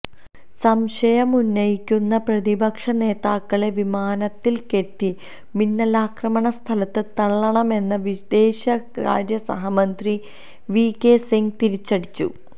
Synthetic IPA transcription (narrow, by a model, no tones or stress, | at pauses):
sɐmʂɐjɐmunːɐjikʲːunːɐprɐðibɐkʂɐne̞ːðaːkːɐɭe̞ʋimaːnɐt̪ːilke̞ʈːi | minːɐlaːkrɐmɐɳɐst̪ʰɐlɐt̪ːɨt̪ɐɭːɐɳɐme̞nːɐʋid̪eːɕɐka̰ːɾjɐsɐ̰ɦɐmɐnd̪ri | ʋiːkːesiŋɡt̪iɾit͡ɕːɐɽit͡ɕːṵ